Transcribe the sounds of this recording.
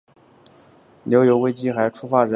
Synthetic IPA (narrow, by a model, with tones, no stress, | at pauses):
ljo˧˥ʊjo˧˥ʊwe˥ɪt͡ɕi˥xa˧˥ɪʈ͡ʂʰu˥fa˥ɻə˧˥